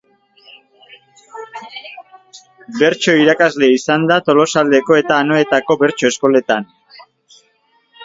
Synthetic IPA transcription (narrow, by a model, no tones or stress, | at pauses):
be̞ɾt͡ʃo̞iɾakazle̞isand̪at̪o̞lo̞sald̪e̞ko̞e̞t̪aːno̞et̪ako̞be̞ɾt͡ʃo̞e̞sko̞le̞t̪an